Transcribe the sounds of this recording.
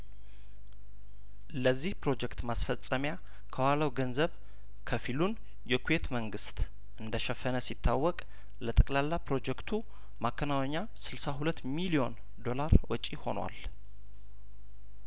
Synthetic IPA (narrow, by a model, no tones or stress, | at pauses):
ləzːihpɾo̞d͡ʒɛkt̪masfəsʼːəmja | kʰəwaləwɡənzəβ | kʰəfilun | jɛkʰuje̞t̪məŋɡɨst̪ | ʔɨnd̪əʃɛfənəsit̪ʰːawːɔkʼ | lət̪ʼəkʼlalːapɾo̞d͡ʒɛkt̪ʰu | makʰːənawɛɲːa | sɨlsaɦulət̪ːmilio̞n | d̪o̞laɾwɔt͡ʃʼiho̞̰nwa̰l